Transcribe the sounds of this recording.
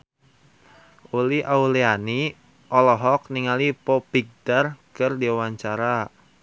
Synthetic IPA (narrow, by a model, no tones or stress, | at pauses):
uliʔauliani | ʔɔlɔɦɔk̚niŋalipɔpiɡ̚darkɨrdiawaɲt͡ʃaɾa